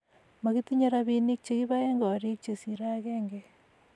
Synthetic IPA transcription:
ma˨ɣi˦t̪iɲoɾaβi˦ni˦k̚t͡ʃe˦ɣi˦βaje˦ŋɡo˨ɾi˦k̚t͡ʃe˨si˨ɾaɣe˦ŋɡe

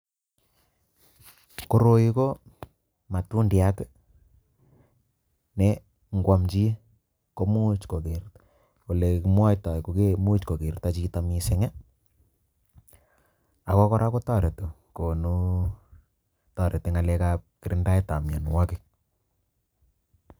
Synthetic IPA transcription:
ko˦ɾo˨ji˦ko˦ | ma˨tu˦ndja˦k | nɛ˦ | ŋɡwa˦mt͡ʃi˦ | ko˦mu˦t͡ʃko˨ke˨ɾt | o˨le˨kmwa˦jta˨koke˦mu˦t͡ʃko˨ke˨ɾta˦t͡ʃi˦ta˨mi˨sɛ˦ŋɛ˦ | a˨kɔ˦kɔ˦ɾʔa˦ko˦ta˦˨ɾe˨to˨ | ko˨nu˦ | ta˨ɾʔe˨te˦ŋa˨lɛ˦ka˦p̚kɪ˨ɾɪ˦nda˦i˦ta˨mja̰˨nu˨wa˦kɪ˨

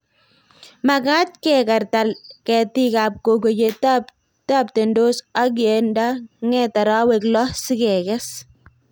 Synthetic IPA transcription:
ma˨ka˦t̚kɛ˨ka˨ɾta˨lkɛ˨ti˦kaː˨p̚ko˨ko˨t͡ʃe˨tap | ta˦p̚te˨ndo˦sa˦k̬e˨nda˦ŋɛ˦ta˨ɾa˦we˨klɔ˦sɪ˦kɛ˨kɛ˦s

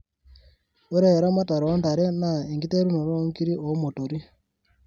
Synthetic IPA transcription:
o˦ɾeː˦˨ɾa˦ma˦ta˨ɾo˦nda˨ɾe˦na˨i˨ŋɡi˦te˦ɾu˦no˨ɾo˦ŋki˦ɾi˦ʔo˨˦mo˨to˨ɾi˦

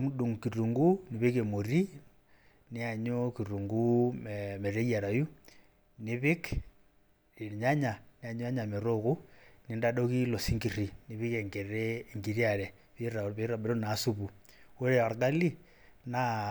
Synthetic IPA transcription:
mu˦ɗu˨ŋki˨ru˨ŋɡu˦ni˨βi˦ke˨mo˨ɾi | ni˦a˨ɲo˦ki˨ɾu˨ŋɡu˦me˨ɾe˦ji˦a˨ɾa˨ju˦ | niβi˦k | ɾi˨ɲa˦ɲa˨nia˨ɲo˦a˦ɲa˨me˨ɾoɣu˦ni˨nda˦ɗo˦ki˦lo˨si˦ŋɡi˨ɾi˨ni˨βi˦ke˨ŋɡe˨ɾe˦ŋɡi˨ɾiaɾe˨ | βi˦ɾa˨βi˦ɾa˨be˨ɾo˦naː˦su˦βu˨ | o˦ɾea˨ɾɡa˦li˦ | na

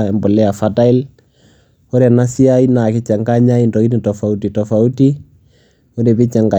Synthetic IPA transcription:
ɛ˨mbɔ˨lɛ˦a˨fa˦ta˦i˦l | ɔ˦ɾa˨na˦si˦a˦i˦na˨kɪ˦t͡ʃɛ˨ŋɡa˦ɲa˦indɔ˨i˦ni˨tɔ˨fa˨u˦ti˨tɔ˨fa˨u˦ti˦ | o˦ɾɛ˨pi˦t͡ʃɛ˨ŋɡa˨

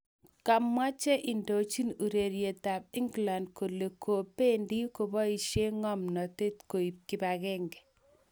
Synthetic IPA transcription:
ka˨mwa˦t͡ʃɛ˦ʔi˨ndo˨t͡ʃi˦nu˨ɾe˨ɾje˨ta˨b̚ɪ˦ŋɡla˨nd̚ko˨le˨kʰo˨pe˦ndi˦ko˨bɔ˦i˨ʃje˦ŋɔ˦mnɔ˨te˦tko˨i˨p̚ki˦ba˨ɣɛ˦ŋɡɛ˨

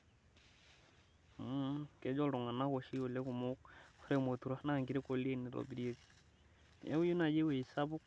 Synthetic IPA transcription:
kɛ˨˦d͡ʒɔ˦lɾɔ˨ŋa˨na˦wo˨ʃi˦o˨le˦ku˨mu˦kɾe˦mo˨tu˨ɾa˦na˦˨ŋɡi˨ɾi˦ko˨le˦˨ni˨ɾo̰˨bi˨ɾje˦k | ɛ̰˦wu˦ju˦na˨d͡ʒe˦we˨i˨sa˦bʊ˦k

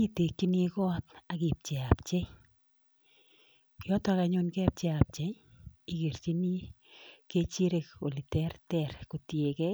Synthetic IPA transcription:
i˦te˨kːi˦ni˧kɔ˦t̚a˨ki˨p̚t͡ʃe˨ap̚t͡ʃe˦ | jɔ˦tɔ˦ka˨ɲo˦nkɛ˦p̚t͡ʃe˨a˨p̚t͡ʃe˦j | i˨ke˨ɾt͡ʃi˦ni˦ | ke˧t͡ʃi˦ɾe˨ko˨li˨tɛ˦rtɛ˦ɾku˨tje˨kɛ˦

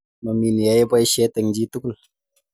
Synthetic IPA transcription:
mə˨mi˨n˨ja˨˦jpɔ˦i˦ʃɛ˦tɛ˨ŋd͡ʒi˦tu˦ku˦˨l

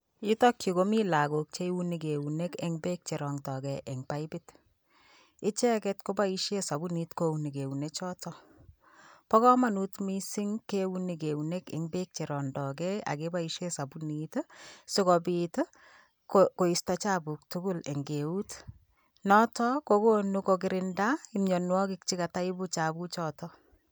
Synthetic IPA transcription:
ji˦tɔ˦kju˨ko˦mi˦la˨ɡo˨k̚t͡ʃe˦wu˦ni˨ke˨u˨ne˦kɛ̰˦ŋbe˦k̚t͡ʃɛ˨ɾɔ˨ŋtɔ˨ɡɛʔɛ˨ŋpa˦ɪbɪ˦t | ɪ˦t͡ʃɛ˦kɛ˦tko˦ba˦i˦ʃje˦sa˨bu˦ni˨tko˦u˨ni˨ke˨u˨net͡ʃɔ˦tɔ˦ | pɔ˦kɔ˦ma˦nu˦tmi˦sɪ˦ŋkewuni˨ke˨une˦kɪ̰˨ŋbe˦k̚t͡ʃe˨ɾɔ˨ndɔ˨kɛa̰˨ke˦ba˦iʃe˦sa˨bunitsɪ˦kɔ˨bit | koko˨i˨sta˦t͡ʃa˦bu˨k̚tʊ˦ɡʊ˦le˨ŋɡe˨u˦t | nɔ˦tɔkoko˦nukokɪɾɪnda˦ɪ˦mɲɔ˨nwɔ˦kɪk̚t͡ʃɪ˦ka˨ta˦ɪ˦bu˦t͡ʃa˨bu˦t͡ʃɔtɔ˦

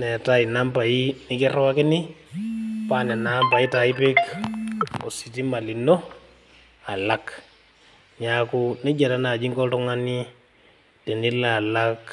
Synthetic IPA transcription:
nɛ˨ta˦i˨na˦mpa˨i˦nɪ˦kɪ˦rwa˦kɪ˦nɪ˦ | pa˦nɛ˨na˦mpa˨i˦ta˨i˦pɪ˦k | o˨si˨ti˦ma˨li˨nːo˦ | a˨la˦k | ɲa˦ku˦nɛ˦d͡ʒa˨ɾa˦na˨d͡ʒi˦ŋkɔ˦ltʊ˦ŋa˦ni˦ | te˨ni˦la˨la˦k

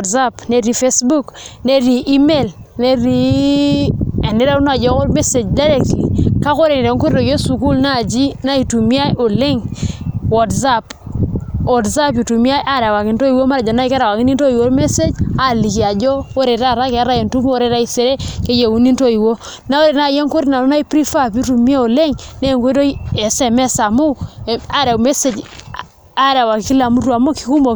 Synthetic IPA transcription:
tsa˦pne˦ɾi˦fe˦sbu˦kne˦ɾi˨ʔːme˦˨lne˦ɾi˦ | ɛ˨nɪ˦ɾa˦u˦n˦a˨d͡ʒɔ˦ko˦ɾme˦se˨d͡ʒda˦ɾɛ˦k̚tlḭ˨ka˦ko˦ɾe˨nɪ˨ɾɛ˨˦ŋko˦ɾɾo˨ɡo˦su˨ku˦lna˦˨d͡ʒi˦na˦i˨tu˨mi˦a˦jʔo˨lɪ˦ŋwɔ˨tsa˦p | ɔ˨tsa˦p̬i˨tu˨mi˦a˦ʔa˦˨ɾa˨wa˨kɪ˨nto˦i˨wo˦ma˦ɾa˨d͡ʒɔ˨na˦i˦ka˦ɾa˨wa˨kɪ˦ni˦nto˦i˨wo˨˦ɾme˦se˦d͡ʒa˦li˨ki˨a˨d͡ʒɔ˦o˦ɾe˨ɾa˦˨ɾa˦ke˨a˦ɾa˦je˨ntu˦mu˦o˦ɾe˨ɾa˦i˨se˨ɾe˦ke˦je˨wu˨ni˦nto˦i˨wo˦ | na˦o˦ɾe˨na˦˨je˦ŋko˦ɾi˦na˨no˦na˦i˦pɾi˦fa˦pji˦tu˨mi˦a˦o˨le˦ŋne˦˨ŋko˦to˦i˦ɛ˨sɛ˨mɛ˦sa˨mo˦˨a˦ɾa˨me˦se˨d͡ʒ | a˦ɾa˨wa˨ki˦la˨mu˦twa˨mo˦ki̥˦ku˦mo˨

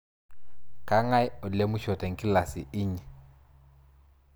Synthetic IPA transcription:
kʼa˦ŋa˦ɪ˦ʊ˨di˨le˦mʊ˦ʃɔ˨tʼa˨ŋ̩˨kʼɪ˦la˨sɪ̰˨ɪ˦ɲi˨

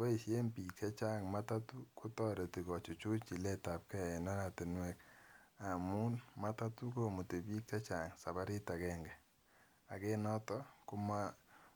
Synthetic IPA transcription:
wɔ˦i˨ʃe˦mpi˨kʰɛ˦t͡ʃa˦ŋma˦ta˦tu˦ko˦tɔ˦ɾe˨ti˨kɔ˨t͡ʃu˨t͡ʃu˦t͡ʃi˨lɛ˦ta˨p̚kɛ˦˨ɛ˨na˦ɾa˨te˨nwɛ˦ka˨mu˦nma˦ta˦tu˦ko˦mu˨te˨biː˦kːɛ˦t͡ʃa˨ŋsa˨ba˦ɾi˦ta˨kɛ˦ŋɡɛ˨ | a̰˨ke˦nɔ˦tɔ˦ku˦ma˦

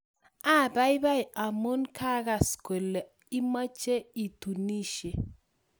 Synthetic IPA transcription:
a˦˨da˦jba˦jʔa˨mu˦nkʰa˦ɣa˨skwe˨le˨ | i˦ma˦t͡ʃe˦i˨t̪u˨ni˦ʃe˨

